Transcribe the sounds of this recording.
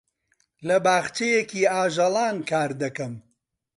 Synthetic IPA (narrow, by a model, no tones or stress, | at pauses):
lɐbaːɣt͡ʃejekiːaːʒɐlˠaːnkaːɾd̪ɐkɐm